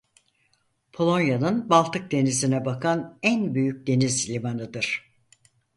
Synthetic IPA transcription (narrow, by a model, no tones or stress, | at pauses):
pʰo̞lˠo̞njanɯnbalˠt̪ʰɯk̚d̪e̞nizinɛbakʰanænbyjyc̚d̪e̞nizlʲimanɯd̪ɯɾ̥